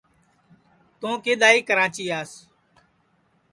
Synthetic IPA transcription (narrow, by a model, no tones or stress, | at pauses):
t̪õːkeːɗ̪aːiːkəɾaːt͡ʃiːaːs